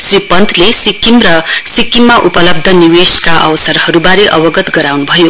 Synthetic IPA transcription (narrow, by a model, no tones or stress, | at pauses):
sripʌnt̪ʰlesikimrʌsikːimːaʔupʌlʌb̚d̪ʱʌniweskaʔʌ̰wsʌɾhʌɾubaɾeʔʌwʌɡʌt̪ɡʌɾawnubʱʌjo